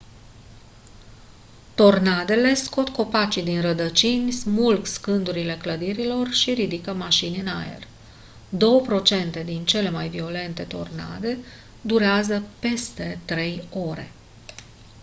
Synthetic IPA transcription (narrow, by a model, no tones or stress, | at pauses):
t̪o̞rnad̪e̞le̞sko̞t̪ko̞pat͡ʃid̪inrəd̪ət͡ʃinʲsmulɡskɨnd̪uɾile̞kləd̪iɾilo̞rʃiɾid̪ikəmaʃinʲɨna̰e̞̰r | d̪o̞wəpɾo̞t͡ʃe̞nt̪e̞d̪int͡ʃe̞le̞majvio̞le̞nt̪e̞t̪o̞rna̰d̪e̞ | d̪uɾeazəpe̞st̪e̞t̪ɾe̞jo̞ɾe̞̰